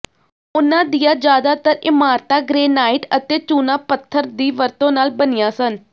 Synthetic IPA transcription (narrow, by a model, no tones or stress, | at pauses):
ʊnãːd̪ijãːd͡ʒjaːd̪aːt̪əɾɪmaːɾt̪aːɡɾeːnaːɪʈət̪eːt͡ʃuːnaːpət̪ʰːəɾd̪iːʋəɾt̪õːnaːlbənɪjãːsən